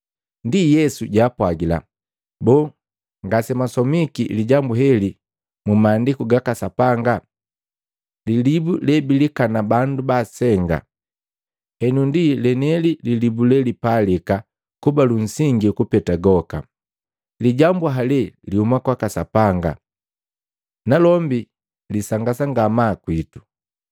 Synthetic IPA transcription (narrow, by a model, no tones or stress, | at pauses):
ndijɛsuɟaːpwaɡila̰ | bɔː | ŋɡasɛmasɔmikiliɟambuɦɛli | mumaːndikuɡakasapaŋɡa | lilibulɛbilikanabandubasɛŋɡa̰ | hɛnundilɛnɛlililibulɛlipalika | kubalun̩siŋɡikupɛtaɡɔka̰ | liɟambuɦalɛlihumakwakasapaŋɡa̰ | nalɔmbi | lisaŋɡasaŋɡamakwitu̥